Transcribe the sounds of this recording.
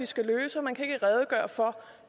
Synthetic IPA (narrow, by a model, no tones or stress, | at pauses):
isɡ̥æløːsəɒ̽mænkʰæe̝ɡ̥əʁɛð̞ˠəɡ̥ɶːɐfɒ̽